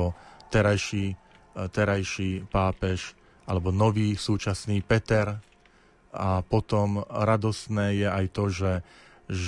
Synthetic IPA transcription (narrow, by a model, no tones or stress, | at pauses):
ɔt̪ɛɾajʃiː | t̪ɛɾajʃiːpaːpɛʃ | ʔalɛbɔnɔʋiːsuːt͡ʃasniːpɛt̪ɛɾ | apɔt̪ɔmɾad̪ɔst̪nɛːjɛajt̪ɔʒɛ